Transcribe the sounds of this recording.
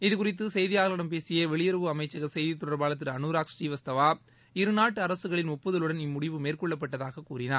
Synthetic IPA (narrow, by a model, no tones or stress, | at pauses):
ɪðɯkʊrɪt̪ːɯsɛjðɪjaːlɐɽɐmpeːsɪjɐʋɛɭɪjɐɾɐʋɯɐmɐɪt͡ʃːɐɣɐsɛjðit̪ːɔɽɐɾbaːlɐt̪ːɪɾɐnuːɾaːksʈiːʋɐst̪ɐʋaː | ɪɾɯnaːʈːɯɐɾɐsɯɣɐɭɪnɔpːɯðɐlɯɽɐnɪmːʊɽɪʋɯmeːrkɔɭːɐp̬ːɐʈːɐðaːɣɐkuːɾɪnaːɾ